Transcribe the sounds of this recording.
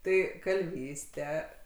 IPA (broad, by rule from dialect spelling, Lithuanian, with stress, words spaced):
ˈtɐɪ kɐlʲˈʋʲiːsʲtʲɛ